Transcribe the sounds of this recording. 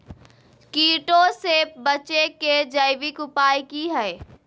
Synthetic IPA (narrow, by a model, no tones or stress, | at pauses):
kiːʈoseːpbɐt͡ʃeked͡ʒəɪʋɪkʊpaːjkiɦɛe